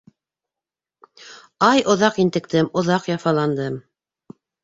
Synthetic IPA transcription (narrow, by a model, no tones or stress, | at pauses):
ɑjŏðɑqint̪ɘ̆k̚t̪ɘmŏðɑqjɑfɑlˠɑnd̪ɤm